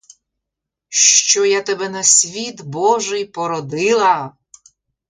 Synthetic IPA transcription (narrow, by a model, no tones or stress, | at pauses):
ʃt͡ʃɔjat̪ɛbɛnɐsʲʋʲid̪bɔʒɨjpɔɾɔd̪ɪlˠɐ